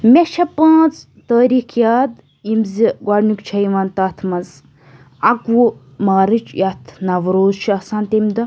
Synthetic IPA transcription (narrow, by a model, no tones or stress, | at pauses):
mʲeʃʰɐpãːt͡s | t̪əːɾiːkʰjaːd̪ | imziɡwaɽnukt͡ʃʰɐjʋaːnt̪aːt̪ʰmɐz | ɐkwu | maːɾɨt͡ʃjɐt̪ʰnɐʋɾoːzt͡ʃʰiɐsãːnt̪emd̪ɐ